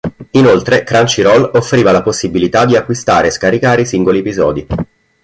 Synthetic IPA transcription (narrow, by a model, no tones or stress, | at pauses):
inolt̪ɾekɾant͡ʃiɾɔlofːɾiːvalaposːibilit̪ad̪iakːwist̪aːɾeːskaɾikaːɾeisiŋɡoliepizɔ̰ːd̪i